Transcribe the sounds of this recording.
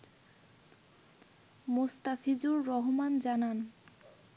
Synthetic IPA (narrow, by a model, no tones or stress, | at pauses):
most̪afʰid͡ʑuɾːɔɦomand͡ʑanan